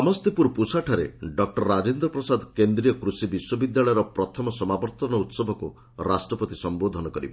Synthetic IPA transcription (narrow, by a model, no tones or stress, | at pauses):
amɔst̪ipuɾpusaʈʰaɾḛɖɔk̚ʈɔɾːad͡ʒend̪ɾɔpɾɔsad̪kend̪ɾijɔkɾusibiswɔbid̪jaɭɔjɔɾɔpɾɔt̪ʰɔmɔsɔmabɔɾt̪ɔnɔut̪sɔbʱɔku | ɾasʈɾɔpɔt̪isɔmbod̪ʱɔnɔkɔɾibe